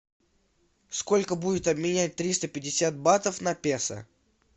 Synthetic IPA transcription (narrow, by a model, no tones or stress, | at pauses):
sko̞lʲkəbudʲɪt̪ɐbmʲɪnʲæt̚ʲt̪ɾʲist̪əpʲɪdʲɪsʲat̪̚bat̪əfnɐpʲesə̰